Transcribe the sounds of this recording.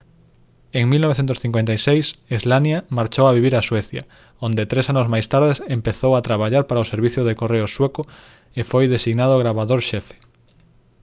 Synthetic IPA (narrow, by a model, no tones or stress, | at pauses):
eŋmilnoβeθent̪ʊsθiŋkwent̪ajsejsizlanjamaɾt͡ʃowaβiβiɾaswɛθjɐ̰ | ond̪et̪ɾesanʊzmajst̪aɾðesempeθowat̪ɾaβaʎaɾpaɾaoseɾβiθjoðekoreʊswekʊ | efojðesiɣnaðʊɣɾaβaðoɾʃɛfe̥